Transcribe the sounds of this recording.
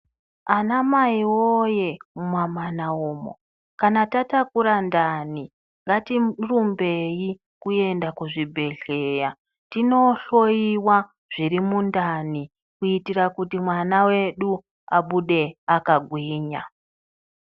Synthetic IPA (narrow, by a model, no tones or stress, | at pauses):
anamaiwoje̞mumamanaoːmo̰ | kanatatakuɾandani | ŋɡatirumbe̞ji | kue̞ndakuʐibʱe̞ɮe̞ja | tino̞ɬojiwa | ʐ̥iɾimundani | kuitiɾakutimwanawe̞ɗu | a̰ɓuɗe̞akaɡʱwiːɲa